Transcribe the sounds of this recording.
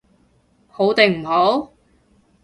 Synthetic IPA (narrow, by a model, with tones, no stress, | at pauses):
ho˨˥wt̪e˨ŋm̩˨˩ho˨˥w